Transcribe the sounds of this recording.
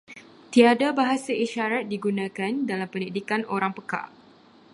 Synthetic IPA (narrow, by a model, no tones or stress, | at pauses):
t̪iadabaɦasaiʃaɾat̪̚diɡunãkandalampənidikanoɾaŋpəka̰